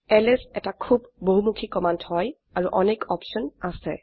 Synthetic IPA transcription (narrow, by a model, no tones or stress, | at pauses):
ɛlɛsɛtakʰubːoɦumukʰikɔmanthɔj | aɹuʔɔnekɔpsɔnasɛ̰